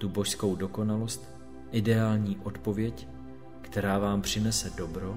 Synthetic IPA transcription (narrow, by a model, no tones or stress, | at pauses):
t̪ubo̞ʃsko̞wdo̞ko̞nalo̞st̪ | ʔɪdɛaːlɲiːʔo̞t̪po̞vjɛc | kt̪ɛɾaːvaːmpr̝̥ɪnɛsɛdo̞bɾo̞